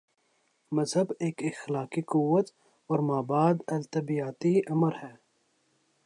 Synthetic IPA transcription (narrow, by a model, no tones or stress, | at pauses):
mɐzɦəbeːkɪxlaːkikʊwːət̪ | ɔːɾmaːbaːd̪ɐlt̪ɐbijaːt̪iʔɐməɾhɛː